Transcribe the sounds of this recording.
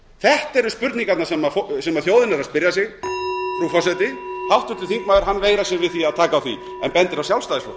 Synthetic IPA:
θɛht̪ɛɾʏspʏɾt̪niŋkat̪nasɛmafosɛmaðθjoːwðɪnaɾaðspɪɾjasjɛɣfɾufɔsɛt̪ɪhawht̪ʏt̪ɪθiŋkmaɣɪɾɦanːveːjɾasjɛɾvɪðθiaðt̪ʰaːkaːwθvḭ | ɛnpɛnt̪ɪɾawsjawlst̪aðɪsfo̰

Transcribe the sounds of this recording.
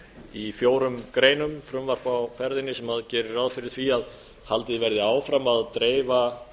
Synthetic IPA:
ifjoːwɾʏmkɾeːjnʏmfɾʏmvaɾ̥pawfɛɾðɪnːɪsɛmaðcɛːɾɪrawðfɪɾɪɾ̥θviað | halt̪ɪðvɛɾðɪaːwfɾamaðt̪ɾeːjva

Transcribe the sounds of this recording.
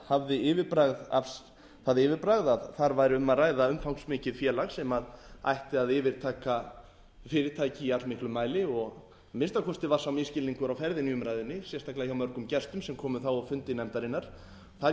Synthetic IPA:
havðɪɪːvɪɾpɾaɣða̰fs | θaðɪːvɪɾpɾaɣðaðθaɾvajɾʏmaðraːjðaʏmfawŋksmɪːcɪðfjɛːlaɣsɛmaða̰jht̪ɪaðɪːvɪɾ̥t̪ʰaːka | fɪːɾɪt̪ʰaːjcɪiat̪lmɪhklʏmaːjlɪɔɣ | mɪnst̪akʰɔst̪ɪvḁsawmɪscɪlniŋkʏɾawfɛɾðɪniːʏmɾajðɪnːɪsjɛst̪aklaçawmœɾkʏmcɛst̪ʏmsɛmkʰɔːmʏθawawfʏnt̪ɪnɛmt̪aɾɪnːaɾ̥ | θa

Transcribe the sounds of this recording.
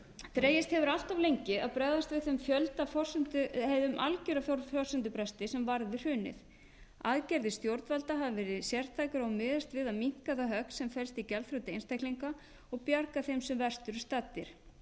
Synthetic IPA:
t̪ɾeːjɪst̪hɛvʏɾal̥t̪avlejɲcɪa̰ðpɾɛːðast̪vɪθʏmfjœlt̪afɔr̥sʏnt̪ʏheðʏmʔa̰lcʏɾafjɔɾfjɔr̥sʏnt̪ʏpɾɛst̪ɪsɛmvaɾðɪr̥ʏːnɪ̰θ | aːðcɛɾðɪst̪jowɾt̪valt̪aɦavɪvɛːɾɪsjɛr̥t̪ʰːajkaɾawmɪːðast̪vɪðaðmiŋ̥kaðaɦœksɛmfɛlst̪icɛlθfɾawt̪ɪejnst̪ajhkliŋka | ɔɣpjaɾkaθejmsɛmvɛr̥st̪ʏɾst̪aːt̪ːɪɾ̥

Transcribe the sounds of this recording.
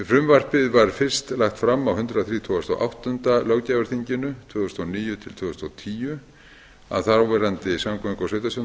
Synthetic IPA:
fɾʏmvar̥pɪðvaɾ̥fɪr̥st̪laxt̪fɾamːawhʏnt̪ɾaðaθɾiːt̪ʰɔːast̪o̰wʔa̰wht̪ʏnt̪alawcaːvaɾ̥θiɲcɪnʏt̪ʰvœːðʏst̪oniːjʏt̪ʰɪlt̪ʰvʏːðʏst̪owt̪ʰiːjʏ | a̰ðθawvɛɾant̪ɪsamkʰɔniŋkaseːɥt̪asjɔ

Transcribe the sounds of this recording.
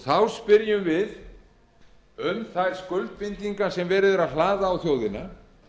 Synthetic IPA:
θawspɪɾjʏmvɪð | ʏmθajɾ̥skʏlt̪̚fɪnt̪iŋkasɛmvɛːɾɪðɛɾaðlaːðaːwθjoːwðɪna

